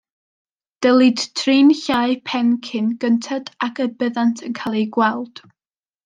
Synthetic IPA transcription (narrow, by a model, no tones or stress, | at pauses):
d̥əlˠid̥tʰriːnçajpʰɛnkʰɪnɡəntʰadakʰəbəðantʰənkʰalˠiɡwɛlˠd̥